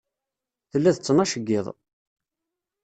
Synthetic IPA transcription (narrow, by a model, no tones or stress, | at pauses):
θəlːæθət͡sːənɑʃəɡːɪðˤ